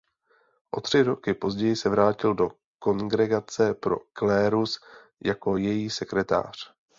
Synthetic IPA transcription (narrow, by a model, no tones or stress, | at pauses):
ʔo̞̰t̪r̝̥ɪɾo̞kɪpo̞zɟɛjɪsɛvɾaːcɪldo̞ | ko̞ŋɡɾɛɡat͡sɛpɾo̞̰klɛːɾus | jako̞jɛjiːsɛkɾɛt̪a̰ːr̝̥